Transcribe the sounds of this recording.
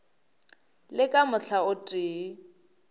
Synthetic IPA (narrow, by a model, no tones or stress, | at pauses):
lɪkʼamʊɬʰaʊtʼeː